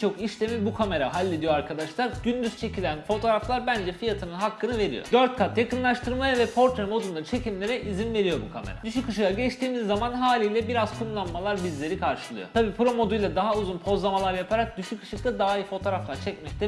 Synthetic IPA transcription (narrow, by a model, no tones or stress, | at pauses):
t͡ʃʰo̞kiʃlʲe̞milʲbukʰame̞ɾaɦalʲːed̪ijo̞aɾkʰad̪aʃlˠaɾɟynd̪yz̥t͡ʃʰe̞cilʲænfo̞t̪ʰoːɾaflˠaɾbænd͡ʒɛfijat̪ʰɯnɯnɦakʰːɯnɯve̞ɾḭjo̰d̪ø̞ɾt̪̚kʰat̪jakɯnlˠaʃt̪ʰɯɾmajavɛpʰo̞ɾt̪ɾemo̞d̪und̪aɯt͡ʃʰe̞cʰimlʲe̞ɾɛʔizinve̞ɾijo̞bukʰame̞̰ɾa̰d̪yʃyckːɯʃɯjaɟɛt͡ʃt̪ʰiːmizːamanɦaːlʲijlʲɛbiɾaz̥kʰunlˠanmalˠaɾbizlʲe̞ɾikʰaɾʃɯlˠɯ̰jo̰t̪ʰabiːpʰɾo̞mo̞d̪ujlˠad̪aɦauzunpʰo̞zˠamalˠaɾjapʰaɾak̚d̪yʃycʰːɯ̥ʃɯk̚t̪ˠad̪aːijfo̞t̪ʰo̞ɾaflˠaɾt͡ʃʰɛcmɛct̪ʰɛ